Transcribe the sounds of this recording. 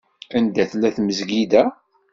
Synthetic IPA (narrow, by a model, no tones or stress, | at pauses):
ænd̪æθlæθməzɡid̪æ